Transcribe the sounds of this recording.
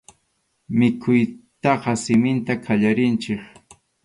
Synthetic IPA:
mɪkʰʊjt̪ɑqɑsɪmɪnt̪akʰaʎaɾɪnt͡ʃɪχ

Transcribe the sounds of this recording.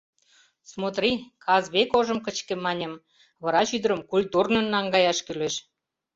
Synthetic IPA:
smot̪rikʰɑzβekoʒə̆mkə̆t͡ɕkĕmɑnʲə̆m | βɑɾɑʃyd̪ə̆ɾəmkulʲt̪urnə̆nːɑŋɡɑjɑʃkyleʃ

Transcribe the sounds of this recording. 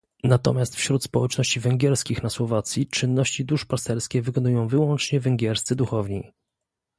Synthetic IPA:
nat̪ɔ̰mʲjast̪fɕɾut̪spɔwɛt͡ʂnɔɕt͡ɕivɛŋɡʲjɛɾskʲixnaswɔvat̪sʲjit͡ʂɘnːɔɕt͡ɕid̪uʂpast̪ɛɾskʲɛvɘkɔnujɔ̃w̃vɘwɔnt͡ʂɲɛvɛŋɡʲɛɾst̪sɘd̪uxɔvɲi

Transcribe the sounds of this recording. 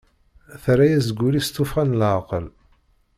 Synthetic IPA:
θɾajæzɡʷːulist̪ːʊfʁænlʕqəl

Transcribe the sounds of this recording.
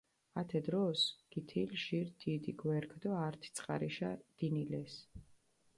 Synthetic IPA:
at̪ʰɛd̪ɾɔsɡ̥it̪ʰilʒiɾd̪id̪iɡwɛɾkʰd̪ɔaɾt̪ʰi̥t̪sʼqʼa̰ɾiʃad̪̥inilɛs

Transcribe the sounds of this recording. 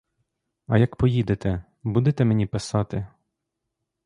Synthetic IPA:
ɐ̰jɐkpɔjid̪et̪ɛ | bud̪et̪ɛmenʲipɪsɑt̪ɪ

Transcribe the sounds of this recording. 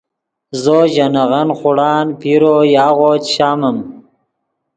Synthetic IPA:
zoʑanaɣanχʊɽɑːnpiɾojɑːɣoːt͡ʃɕaːməm

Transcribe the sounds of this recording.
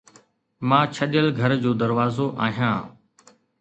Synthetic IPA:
mãːt͡ʃʰəɗɪjəlɡʱəɾd͡ʑoːd̪əɾʋaːzoːʔaːɦijãː

